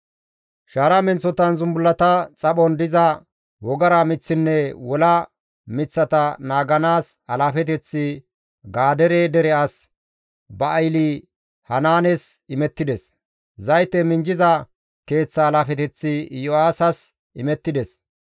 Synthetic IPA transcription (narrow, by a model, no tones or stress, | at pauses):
ʃaːɾɐmɛnt͡sːɔt̪ɐnzʊmbʊlːɐt̪ɐt͡sʼɐɓɔnd̪ɪzɐ | wɔɡɐɾɐmɪt͡sːɪnːɛwɔlɐ | mɪt͡sːɐt̪ɐnaːɡɐnaːsɐlaːfɛt̪̬ɛt͡sːɪ | ɡaːd̪ɛɾeːd̪ɛɾɛas | bɐʔːjli | hɐnaːnɛsɪmɛt̪ːɪd̪ɛs | zɐjt̪ːɛmɪnd͡ʒɪzɐ | ke̞ːt͡sːɐːlaːfɛt̪ɛt͡sːɪjɔaːsɐs | ʔɪmɛt̪ːɪd̪ɛs